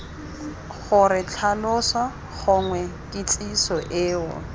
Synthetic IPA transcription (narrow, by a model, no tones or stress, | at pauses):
χʊrɪt͡ɬʰalʊswa | χʊŋwɛkʼɪt͡sʼisɔʔɪːʊ̰